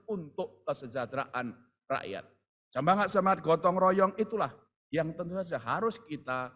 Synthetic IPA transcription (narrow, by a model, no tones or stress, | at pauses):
unt̪ʊʔkəsəd͡ʒad̪ɾa̰ʔan | ra̰ʔja̰t̪̚ | səmaŋat̪̚səmaat̪̚ɡ̥ɔt̪ɔŋɾɔjɔŋit̪ulah | jaŋt̪ənt̪usad͡ʒaɦaɾʊskit̪a